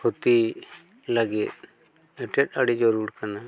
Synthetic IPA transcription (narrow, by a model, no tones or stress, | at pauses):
hot̪i | laɡit̪̚ | ɛʈɛʈaɽid͡ʒɔɾuɾkana